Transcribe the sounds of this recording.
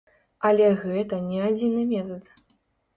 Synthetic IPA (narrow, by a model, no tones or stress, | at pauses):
ɐlʲɛɣɛt̪ɐnʲɛad͡zʲinɨmʲɛt̪ɐt̪